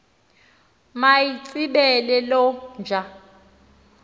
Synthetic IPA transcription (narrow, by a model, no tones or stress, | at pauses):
majit͡sʼiɓɛlɛlɔnd͡ʒʱa